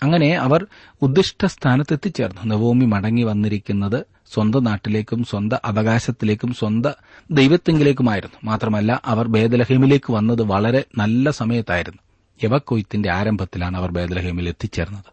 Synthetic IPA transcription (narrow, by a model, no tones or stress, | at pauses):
ɐŋːɐne̞ɐʋɐr | ud̪ːiʂʈʰɐst̪ʰaːnɐt̪ːe̞t̪ːit͡ɕːe̞ːrnːunebuːmimɐɽɐŋːiʋɐnːiɾikʲːunːɐðɨ | swɐnd̪ɐnaːʈːile̞ːkʲːumswɐnd̪ɐʔɐʋɐɣaːɕɐt̪ːile̞ːkʲːumswɐnd̪ɐ | d̪ejʋɐt̪ːeŋɡile̞ːk̬ʲːumaːjiɾunːumaːt̪rɐmɐlːaʔɐʋɐrbe̞ːd̪ɐlɐheːmile̞ːkːɨʋɐnːɐðɨʋɐɭɐɾe̞nɐlːɐsɐmɐjɐt̪ːaːjiɾunːu | eʋɐkːojit̪ːinde̞aːɾɐmbʱɐt̪ːilaːɳɨɐʋɐrbe̞ːd̪ɐlɐheːmile̞t̪ːit͡ɕːe̞ːrnːɐðɨ